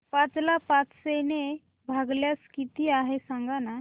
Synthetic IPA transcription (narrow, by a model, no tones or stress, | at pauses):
pãt͡slapat͡ssene | bʱaɡljaskit̪iaɦesãŋɡana